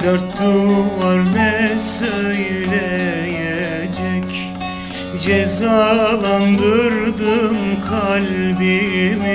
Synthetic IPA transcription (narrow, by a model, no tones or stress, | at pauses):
d̪aɾt̪ːuvaɾmɛsøjlʲɛ | jɛ | d͡ʒɛc | d͡ʒɛzaːlˠand̪ɯɾd̪ɯmkʰalʲbim